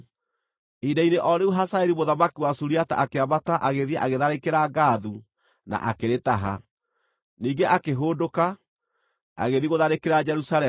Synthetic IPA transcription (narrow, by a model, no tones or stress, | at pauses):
idaineʔɔɾeuɦasaeɾimoðamakiwasuɾiata̰ʔakeaβataʔaɣeðiɛʔaɣeðaɾekeɾaɡaːðu | na̰ʔakeɾetaɦa̰ | niːɡeʔakeɦoːdoka | a̰ɣeðiɣoðaɾekeɾad͡ʒɛɾusalɛ